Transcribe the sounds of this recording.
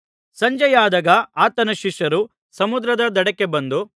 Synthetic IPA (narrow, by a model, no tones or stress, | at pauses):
sɐɲd͡ʒɐjaːd̪ɐɡɐaːt̪ɐnɐʃiʂɐɾu | sɐmud̪ɾɐd̪ɐd̪ɐɽɐkːebɐnd̪u